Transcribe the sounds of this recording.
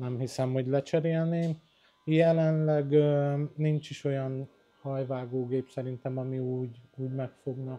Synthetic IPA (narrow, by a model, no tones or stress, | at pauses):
nɛmhisɛmho̞ɟlɛt͡ʃɛɾeːlneːm | jɛlɛnlɛɡønint͡ʃiʃo̞jɒn | hɒjvaːɡoːɡeːpsɛɾint̪ɛmɒmiuːɟuːɟmɛkfo̞ɡnɒ